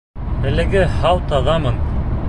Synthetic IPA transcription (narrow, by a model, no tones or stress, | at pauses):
æ̆lɘ̆ɡɘhɑwt̪ɑʁɑmɤn